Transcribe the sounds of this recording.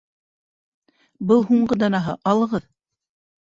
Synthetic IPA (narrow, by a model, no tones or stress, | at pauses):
bɤlˠhuɴɢɤd̪ɑnɑɦɤ̰ʔɑlˠɤ̆ʁɤð